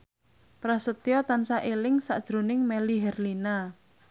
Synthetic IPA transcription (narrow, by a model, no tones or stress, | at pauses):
pɾasət̪jɔt̪ansaʔelɪŋsa̰ʔd̥ʒ̥ɾo̤nɪŋmɛliɦɛrlina